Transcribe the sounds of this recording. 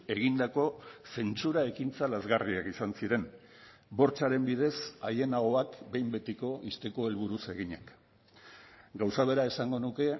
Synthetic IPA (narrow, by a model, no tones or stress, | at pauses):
e̞ɣind̪ako̞se̞nt͡suɾae̞kint͡salazɣariakisansiɾe̞n | bo̞ɾt͡saɾe̞mbið̞e̞saje̞naɣo̞akbe̞jmbe̞t̪iko̞ʔist̪e̞ko̞e̞lβ̞uɾuse̞ɣ̞iɲa̰k | ɡawsaβ̞e̞ɾae̞saŋɡo̞nuke̞